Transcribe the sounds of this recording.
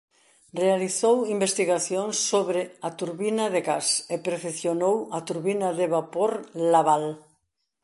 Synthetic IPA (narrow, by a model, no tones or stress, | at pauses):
realiθowimbest̪iɣaθjoŋsːoβɾeat̪uɾβinaðeɣasepɾefeθjonowat̪uɾβinaðeβapoɾlaβal